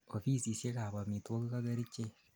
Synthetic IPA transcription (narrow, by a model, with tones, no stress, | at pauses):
o˨fi˦si˨sje˦ka˨βa˨mi˨two˦ku˦ka˦ɣa˦ɾi˦t͡ʃe˦